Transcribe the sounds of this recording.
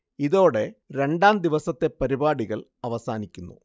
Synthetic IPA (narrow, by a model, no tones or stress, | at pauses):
iðo̞ːɽe̞ɾe̞ɳɖaːnd̪iʋɐsɐt̪ːe̞pɐɾibaːɽiɣɐɭɐʋɐsaːnikʲːunːṵ